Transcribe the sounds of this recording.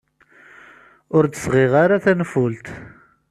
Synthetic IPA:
ʊɾt͡s̪əsʁɪʁaɾaθænfʊlt̪

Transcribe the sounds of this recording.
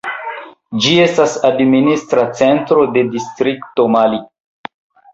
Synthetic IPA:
d͡ʒie̞stasadministɾat͡se̞ntɾo̞de̞distɾikto̞mali

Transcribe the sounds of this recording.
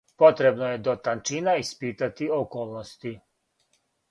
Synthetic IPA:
pot̪ɾebnojed̪ot̪ant͡ʃinaispit̪at̪iokoːlˠnost̪i

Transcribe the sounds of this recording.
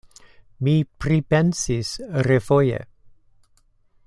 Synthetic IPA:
mipɾipensisɾefojḛ

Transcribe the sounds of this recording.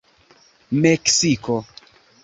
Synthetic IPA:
meksiko

